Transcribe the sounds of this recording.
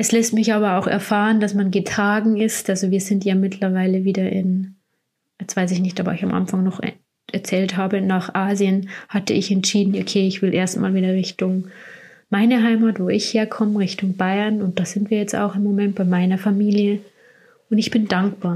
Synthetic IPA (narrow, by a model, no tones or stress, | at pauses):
ʔɛslɛstmɪçʔaːbɐaʊxɛ̰ɐfaːʁəndasmanɡətʁ̥aːɡŋ̩ɪstʔalzoviːɐzɪntjaːmɪtʰlɐvaɪləviːdɐʔɪ̰n | jɛt͡sv̥aɪs̬ɪçnɪçtʔaːbɐ̰ɪçamʔa̰nfaŋnɔχ | ʔɛɐt͡sɛːlthaːbənaːχʔaːziənhatəɪçɛntʃiːdn̩ʔokʰeːɪçv̥ɪlʔeːɐstmʔaːlviːdɐʁɪçtʊŋ | maɪnəɦaɪmaːtv̥oːɪçheːɐkʰɔməʁɪçtʊŋbaɪɐnʊnt̚d̥aːz̥ɪntv̥iːɐjɛt͡sta̰ʊxɪmːomɛnt̚b̥aɪmaɪnɐfamiːljə | ʊntɪçb̥ɪndaŋkb̥aːɐ